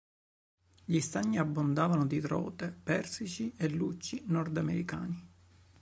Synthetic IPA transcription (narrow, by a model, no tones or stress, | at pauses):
ʎist̪aɲːiabːond̪aːvanod̪it̪ɾɔ̰ːt̪epɛrsit͡ʃielːut͡ʃːinɔrd̪amḛɾika̰ːni